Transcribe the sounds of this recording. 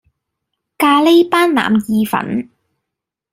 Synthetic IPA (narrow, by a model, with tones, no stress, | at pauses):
kaː˧le˥paː˥nla̰ː˨mjiː˧fɐ̰˨˥n